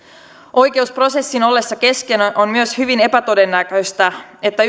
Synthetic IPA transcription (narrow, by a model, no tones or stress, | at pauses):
ʔo̞jk̟e̞uspro̞se̞sːino̞lːe̞sːɑke̞ske̞nonmyøshyʋine̞pæt̪o̞de̞nːækøjst̪æe̞t̪ːæ